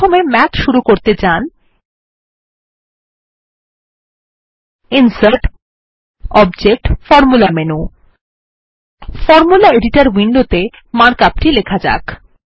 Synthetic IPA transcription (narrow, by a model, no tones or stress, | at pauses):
omemɛt̪ʃuɾukoɾt̪et͡ɕan | insaɾʈ | ɔbd͡ʑek̚ʈfɔɾmulamenu | fɔɾmulaeɖiʈaɾwiɳɖot̪e | maɾkap̚ʈilekʰad͡ʑa̰k